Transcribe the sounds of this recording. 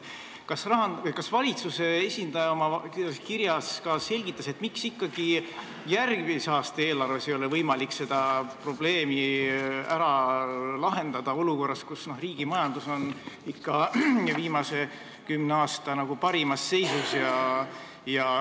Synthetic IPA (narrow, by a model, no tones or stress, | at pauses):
kɑsrɑɦɑɤjkɑsvɑlʲit̪suse̞esʲind̪ɑjɑomɑskiɾjɑskɑse̞lʲɡit̪ˑːɑse̞t̪ːˑmiksikːɑɡ̥i | jærɡmisɑːst̪ee̞ːlɑrve̞se̞jo̞levɤjmɑlikse̞d̪ɑpro̞b̥le̞ːmi | æɾɑlɑɦe̞nd̪̥ɑd̪̥ɑo̞luko̞rːɑskusno̞hriːɡ̥imɑjɑnd̪̥uso̞nikːɑviːmɑse̞ | kymneɑːst̪ɑnɑɡ̥upɑɾimɑsːe̞jsusjɑ | jɑ